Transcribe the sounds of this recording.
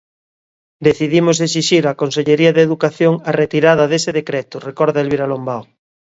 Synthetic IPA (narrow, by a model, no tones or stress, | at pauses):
d̪eθiðimos̬es̬iʃiɾakonseʎeɾiaðeðukaθjoŋaret̪iɾað̞aðeseðekɾet̪urekɔɾðaelβiɾalombaw